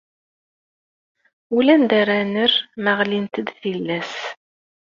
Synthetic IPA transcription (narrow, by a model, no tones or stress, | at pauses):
ulænd̪aɾænərməʁlint̪əd̪θilːæs